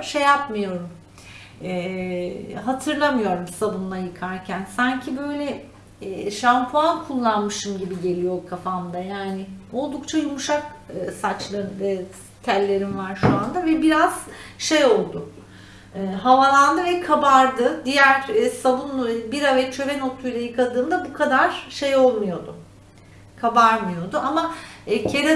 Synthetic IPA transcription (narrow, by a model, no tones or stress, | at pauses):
ʃe̞japmɯjo̞ɾum | ɛː | ɦat̪ʰɯɾlˠamɯjo̞ɾumsabunːˠajɯkʰaɾcʰænsaɲcʰibø̞jlʲɛ | ʃampʰuankʰulˠːanmɯʃɯmɟibiɟe̞lʲijo̞kʰafamd̪ajaːnɪo̞lˠd̪ukt͡ʃʰajumuʃakɯsat͡ʃlˠaɯ | t̪ʰælʲːe̞ɾinvaɾʃuand̪avɛbiɾaz̥ʃe̞jo̞lˠd̪ʊ | ɯːɦavalˠand̪ɯvɛkʰabaɾd̪ɯd̪ijæɾsavunlˠubiɾavɛt͡ʃʰø̞veno̞t̪ʰːujlʲˠajɯkʰad̪ɯːnd̪abukʰad̪aɾ̥ʃe̞jo̞lˠmujo̞d̪ʊ | kʰabaɾmɯjo̞d̪ʊʔamacʰe̞ɾɛ